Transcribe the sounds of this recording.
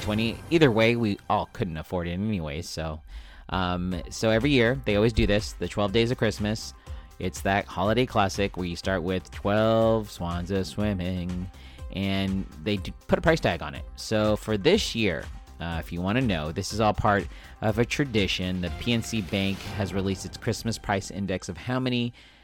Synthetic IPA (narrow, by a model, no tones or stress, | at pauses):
tʰw̥ɛ̃ɾ̃iiðə˞weɪwiɔlˠkʰʊdⁿn̩təfɔɹɾɨ̃nɛniweɪ̥soʊʔʌ̃msoʊɛvɹijɪɹðeɪɔlˠwizdɨðɪsðɨtʰw̥ɛlˠvdeɪzʌv̥kʰɹ̥ɪsmɨs | ʔɪtsðɨt̚hɑlˠəɾeɪkʰl̥æsɪkwə˞jɨstɑɹʔ̚wɪð̥tʰw̥ɛlˠv̥swɑ̃nzɨ̥swɪ̃mɪ̃ŋ | ʔɨ̃nðeɪdpʰʊɾəpʰɹaɪstʰæɡn̩ɪ̰t̚soʊfə˞ðɪsjɪɹ | ʌɪfjɨwɑ̃ɾ̃ɨnoʊðɪsɨzɔlˠpʰɑɹɾ | ʔʌvɨtʰɹ̥ɨdɪʃɨ̃nðɨpʰiɛ̃nsibæ̃ŋkhɨzɹilistɨtskʰɹ̥ɪsmɨspʰɹ̥aɪsɪ̰̃ndɛksʌv̥haʊmɛñi